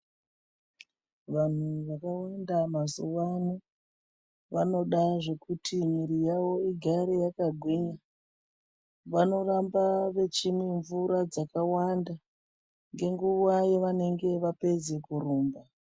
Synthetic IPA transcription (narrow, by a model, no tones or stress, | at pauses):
ʋan̤uʋakawandamazuʋanu | ʋano̞ɗaʐe̞kutʰimiɾijaʋo̞iɡʱaɾejakaɡʱwiɲa | ʋano̞rambaʋe̞t͡ʃimiɱvuɾad͡zakawanda | ŋɡe̞ŋɡuwajeʋane̞ŋɡe̞ʋape̞ze̞kuɾuːmba